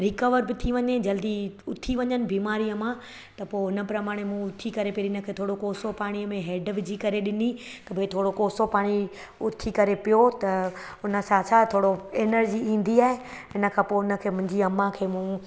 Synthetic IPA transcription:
ɾɪkəʋəɾbɪt̪ʰiʋɐɲed͡ʑɐld̪iʊt̪ʰiʋɐɲənɪ̆biːmaːɾijəmã | t̪ɐpoːɪɦɪnə̆pɾɐmaːɽ̃emũʊt̪ʰikɐɾepijeiɪnə̆kʰeːt̪ʰoːɽokoːsopaːɽ̃ijəmẽɦeːɖʋɪd͡ʑʱikɐɾeɗɪnit̪ɐbʱɐet̪ʰoːɽokoːsopaːɽ̃i | ʊt̪ʰikɐɾepijot̪ɐ | ʊnə̆sãt͡ɕʰat̪ʰoːɽoeːnəɾd͡ʑiĩːn̆d̪iaːɦeɦɪnə̆kʰãːpoːʊnə̆kʰeːmʊ̃ɦɪ̃ɲd͡ʑiɐmːãkʰeːmũ

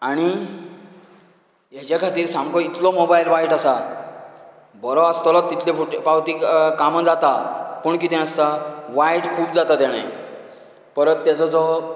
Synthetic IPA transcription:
aɽ̃i | ɦjat͡ɕakʰat̪iːɾsãmkɔit̪lɔmobailʋaiʈasa | bɔɾɔast̪ɔlɔt̪ːit̪ʰlefuʈpawt̪ikamə̃d͡zat̪apəɳkit̪ɛ̃ast̪aʋajʈkʰuːpd͡zat̪ad̪eɽ̃a̰j | pəɾət̪ːat͡sɔt͡sɔ

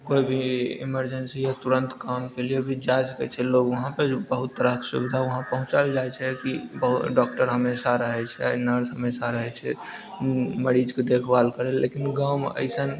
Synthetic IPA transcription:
koibʱiḭməɾd͡ʒənsijat̪uɾənt̪kamkeliebʱid͡ʒasəkɛt͡ʃʰɛloɡʋɐɦãpəɾbəɦut̪ːəɾəksubid̪ʱaʋɐɦãpəɦʊ̃t͡ʃald͡ʒaɛt͡ʃʰɛkibəɦʊɖɔk̚ʈəɾɦəmesaɾəɦɛt͡ʃʰɛnəɾsɦəmesaɾəɦɛt͡ʃʰɛ | məɾid͡ʒked̪ekʰbalkəɾelḛkinɡawmeə̰ɪsən

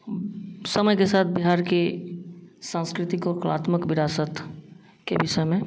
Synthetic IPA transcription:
səməjkesaːt̪̚ʰbiɦaːɾke | sãːnskɾɪt̪ɪkɔːɾkəla̰ːt̪məkʋɪɾaːsət̪ | kebɪʃəjmẽ

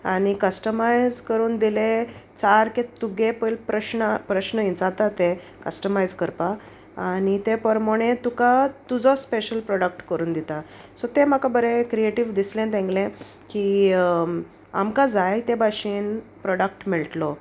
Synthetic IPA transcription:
añikəsʈəmajzkəɾuːnd̪ilet͡saɾket̪uɡepəjlpɾəɕnpɾəɕnəĩt͡sat̪at̪e | kəsʈəmajd͡zkəɾpa | anit̪epəɾmoɽ̃ẽt̪ukat̪ud͡zɔspeɕəlpɾɔɽək̚ʈkəɾuːnd̪it̪a | sot̪em̤akabəɾẽkɾieʈiʋd̪islẽnt̪ẽŋɡlẽ | ki | a̰mkad͡zajt̪ebaɕiːnpɾɔɽək̚ʈmɛɭʈlɔ

